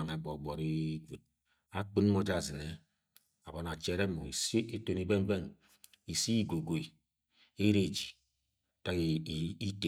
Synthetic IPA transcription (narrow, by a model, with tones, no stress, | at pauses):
ŋe˨ɡ͡bo˨ɡ͡bo˨ɾi˦ɡ | a˦k͡pi˦n˦mo˦d͡ʒa˨zi˨ne˨ | a˨bo˨n˨a˨t͡ʃe˦ɾe˦mo˨i˨se˦to˨ni˨be˦n˦be˦n | i˨si˦i˦ɡo˨ɡo˨e˨ | e˦ɾe˦˨d͡ʒi˨ | ta˨ki˦te˨